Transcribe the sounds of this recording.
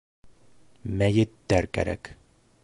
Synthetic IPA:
mæjɘt̪ːæɾkæ̰ɾæ̰k

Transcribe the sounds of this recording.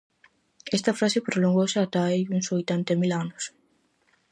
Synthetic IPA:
ɛst̪ɐfɾasepɾoloŋɡosɪat̪aejuŋsojt̪ant̪ɐmilanʊs

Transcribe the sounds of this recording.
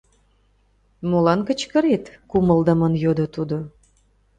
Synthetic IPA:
molɑnkə̆t͡ɕkə̆ɾet̪kuməld̪əmənjod̪ot̪ud̪o

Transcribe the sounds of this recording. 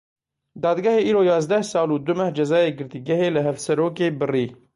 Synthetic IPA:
d̪ɑːd̪ɡaheʔiːɾoːjɑːzd̪ɐhsɑːluːd̪ʊmɐhd͡ʒɐzɑːjeːɡɨɾt̪iɡɐheːləɦɐfsɐɾoːkeːbɨriː

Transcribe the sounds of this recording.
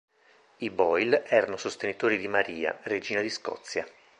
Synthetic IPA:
ibɔjlɛːɾanosost̪enit̪oːɾid̪imaɾiːa̰red͡ʒiːnad̪iskɔ̰t̪sːja

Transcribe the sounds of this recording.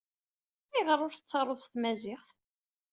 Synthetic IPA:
iʁəɾˤːʊɾθət͡sːəɾˤoðˤst̪mæzɪχθ

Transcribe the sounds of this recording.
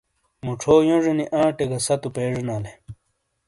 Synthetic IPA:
muʈ͡ʂʰoːjõʐeniʔãːʈeɡɐsɐt̪upeːʐenaːle

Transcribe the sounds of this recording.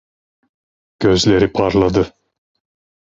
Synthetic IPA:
ɡ̥øzlʲeɾipʰɑɾlˠɑd̪ɯ

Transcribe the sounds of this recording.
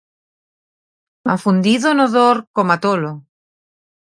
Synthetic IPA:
afund̪iðonoðoɾkomat̪olo

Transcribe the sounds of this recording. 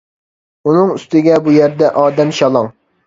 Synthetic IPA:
unɨŋyst̪ɪɡʲɛbujæɾd̪ɛʔɑːd̪ɛmʃɑlˠɑŋ

